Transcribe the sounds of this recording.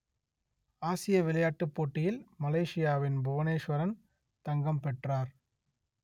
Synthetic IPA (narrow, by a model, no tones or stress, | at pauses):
aːsɪjɐʋɪlɐjaːʈːɯpːoːʈːɪjɪlmɐleːʂɪjaːʋɪnbʊʋɐneːʂʋɐɾɐn | t̪ɐŋɡɐmpɛʈraːɾ